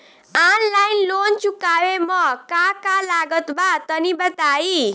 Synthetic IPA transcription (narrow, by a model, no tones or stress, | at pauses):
anlajnlont͡sukawemʌkakalaɡʌt̪bat̪ʌnibʌt̪ai